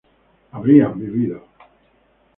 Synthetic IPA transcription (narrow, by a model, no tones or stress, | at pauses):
aβɾiambiβiða